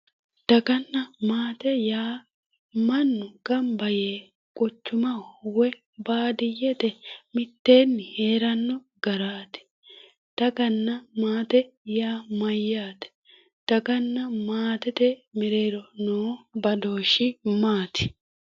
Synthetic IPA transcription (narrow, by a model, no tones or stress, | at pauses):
d̪̥ɐɡɐnːɐmaːt̪ɛjaː | mɐnːʊɡ̥ɐmbɐjeː | kʼɔt͡ʃːʊmɐwwɛ | baːd̪ɪjːɛt̪ɛmɪt̪ːe̞ːnːɪhe̞ːɾɐnːɔ | ɡɐɾaːt̪ɪ̥ | d̪̥ɐɡɐnːɐmaːt̪ɛjaːmɐjːaːt̪ɛ̥ | d̪̥ɐɡɐnːɐmaːt̪ɛt̪ɛmɪɾe̞ːɾɔnoːbɐd̪o̞ːʃːɪmaːt̪ɪ̥